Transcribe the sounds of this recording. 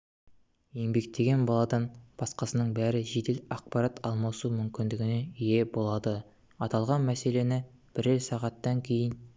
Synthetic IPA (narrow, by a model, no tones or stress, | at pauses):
je̞ŋbe̞k̚t̪ʰe̞ɡʲe̞nbɑlˠɑd̪ɑnb̥ɑsqɑsənəɴbæɾɪʒed̪elɑq̚pɑɾat̪ʰɑlˠmɑsumʏmkʲɪnd̪ɪɡʲɪne̞ije̞bo̞lˠɑd̪ə | ɑt̪ɑlˠʁɑnmæse̞le̞nɪ | b̥ɪɾelsɑʁɑt̪ːɑŋkʲʰe̞jɪn